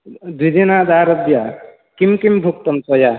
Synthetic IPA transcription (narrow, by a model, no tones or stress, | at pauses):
d̪id̪inad̪aɾʌbja | kimkimbʱukt̪ɔmsɔja